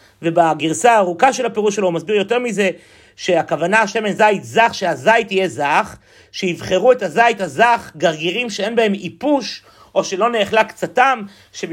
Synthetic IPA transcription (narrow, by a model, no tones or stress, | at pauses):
ve̞baɡiʁsaːʁukaʃe̞lapeʁuʃeloumasbiʁjo̞te̞ʁmize̞ | ʃe̞akavanaaʃe̞menzait̪zaχʃeazajitije̞zaχ | ʃeivχe̞ʁue̞tazaithazaχɡaʁɡiʁimʃee̞nbaemipuʃ | ʔo̞ʃelo̞ne̞ːχlakt͡satam | ʃe